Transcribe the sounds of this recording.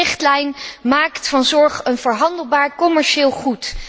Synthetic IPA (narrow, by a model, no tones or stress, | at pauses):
ɪχtlɛjnmaːktfɑnzɔɹχənvəɹɦɑndəlˠbaːɹkɔmɛɹʃɪːlˠχut